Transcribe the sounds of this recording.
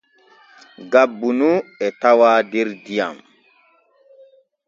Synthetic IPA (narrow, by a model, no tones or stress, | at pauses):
ɡabːunuɛtawaːdɛɾdija̰m